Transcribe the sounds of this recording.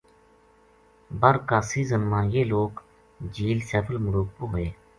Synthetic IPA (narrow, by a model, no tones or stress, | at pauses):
bəɾkaːsiːzənmãːjeːloːk | d͡ʒiːlsɛːpʰəlmʊɾuːk̚poːɦeː